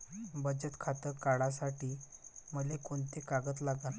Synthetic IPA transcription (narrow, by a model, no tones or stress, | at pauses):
bəd͡ʑət̪kʰat̪əɾkaɽasaʈiːməlekoɳt̪ekaɡət̪laɡan